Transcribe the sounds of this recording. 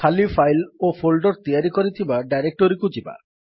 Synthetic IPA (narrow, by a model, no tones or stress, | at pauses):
kʰalifʰajlopʰolɖɔɾt̪iaɾikɔɾit̪ʰibaɖajɾek̚ʈoɾikud͡ʑiba̰